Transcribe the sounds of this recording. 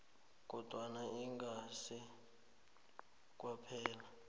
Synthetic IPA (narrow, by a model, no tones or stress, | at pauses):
k̬ʼɔd̥ʱwanaiŋɡasi | k̬ʼwapʰɛːla